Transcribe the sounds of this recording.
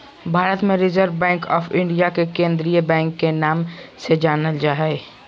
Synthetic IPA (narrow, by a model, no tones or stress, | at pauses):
bʱaːɾət̪mẽɾɪzəɾʋbɛ̃ːŋkɔːfʰɪ̃ɳɖijakekẽːnd̪ɾijəbɛ̃ːŋkːenaːmsed͡ʒaːnəld͡ʒaːɦe